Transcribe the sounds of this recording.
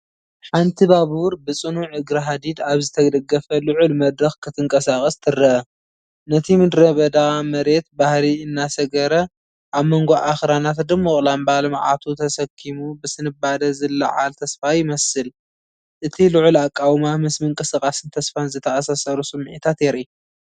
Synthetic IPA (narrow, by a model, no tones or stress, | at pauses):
ħant̪ʰibaβuɾbɨt͡sʼɨnuʕɨɡɾɐɦad̪id̪aβzɨt̪ʰɐɡd̪ɐɡːɐfɐlʊʕulmɐd̪ɾɐxkʰɨt̪ʰɨŋkʼɐsaχʼɐst̪ʰɨrːɐʔɐ | nɐt̪ʰimɨd̪ɾɐβɐd̪amɐɾe̞t̪̚bahliɨnːasɐɡɐɾɐ | ʔaβmoŋɡoʔaxɾanat̪d̪ɨmːoχʼlambalmʕa̰t̪ʰut̪ʰɐsɐkʰːimubɨsɨnɨbad̪ɐzɨlːɐ̰ʕa̰lt̪ʰɐsfajɪmɐsɨl | ʔɨt̪ʰilɨʕulakʼːawmamɨsmɨŋkʼɨsɨkʼasɨnt̪ʰɐsfanzɨt̪ʰɐʔasasɐɾusɨmːʕit̪ʰat̪jeɾi